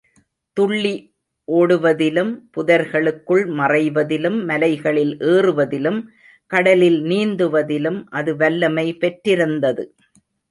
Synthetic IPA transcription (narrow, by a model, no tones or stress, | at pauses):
t̪ʊɭːi | ʔoːɽɯʋɐðɪlɯmpʊðɐɾɣɐɭɯkːɯɭmɐrɐɪʋɐðɪlɯmːɐlɐɪɣɐɭɪlʔeːrɯʋɐðɪlɯm | kɐɽɐlɪlniːnd̪ɯʋɐðɪlɯmʔɐðɯʋɐlːɐmɐɪpɛʈɾɪɾɯnd̪ɐðɯ